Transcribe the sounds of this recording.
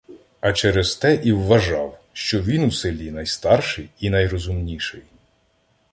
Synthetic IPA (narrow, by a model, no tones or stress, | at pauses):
ɐt͡ʃɛɾez̥t̪ɛʔiwːɐʒɑw | ʃt͡ʃɔʋʲinusɪlʲinɐjst̪ɑrʃɪjinɐjrɔzʊmnʲiʃɪj